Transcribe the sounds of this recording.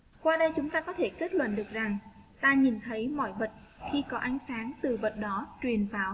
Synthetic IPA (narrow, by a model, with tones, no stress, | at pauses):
kwaː˧ɗə˧jt͡ɕʊ˨˦ŋ͡mt̪aː˧kɔ˨˦t̪ʰe˧˩ke˦˥t̚lwə̰˧˨nɗɨ˨˩ək̚za˨˩ŋt̪aː˧ɲi˨˩nt̪ʰə˨˦jmɔ̰˧˨jvə˨˩t̚ | xi˧kɔ˨˦ʔa˨˦jŋ̟saː˨˦ŋt̪ɨ˨˩və˨˩t̚ɗɔ˨˦t͡ɕwi˨˩ənvaː˨˩w